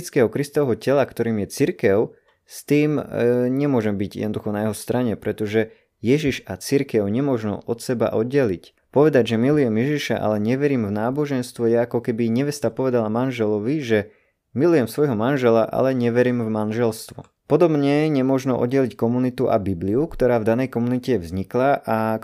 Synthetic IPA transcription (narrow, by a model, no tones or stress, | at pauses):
t͡skɛɦɔkɾist̪ɔʊɦɔcɛlakt̪ɔɾiːmjɛt͡siɾkɛʊ | st̪iːmɲɛmʊɔʒɛmbiɟjɛ̰d̪nɔd̪uxɔnajɛɦɔst̪ɾaɲɛpɾɛt̪ɔʒɛ | jɛʒiʃat͡siɾkɛʊɲɛmʊɔʒnɔ̰ʔɔt̪sɛba̰ʔɔd̪̚ɟɛlic | pɔʋɛd̪aɟʒɛmilujɛmjɛʒiʃa̰ʔa̰lɛɲɛʋɛɾiːmvnaːbɔʒɛnst̪ʋɔjaakɔkɛbiɲɛʋɛst̪apɔʋɛd̪alamanʒɛlɔʋiʒɛ | milujɛmsʋɔjɦɔmanʒɛlaʔa̰lɛɲɛʋɛɾiːmvmanʒɛlst̪ʋɔ̰ | pɔd̪ɔbɲɛɲɛmʊɔʒnɔʔɔ̰d̪ɟɛlickɔmunit̪uʔa̰bibliukt̪ɔɾaːvd̪anɛjkɔmunicɛvzɲiklaʔa